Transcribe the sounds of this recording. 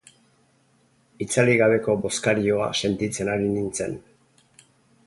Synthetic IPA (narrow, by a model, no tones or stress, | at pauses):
it͡saliɣaβ̞e̞ko̞bo̞skaɾio̞a̰se̞nt̪it͡se̞naɾinint͡se̞̰n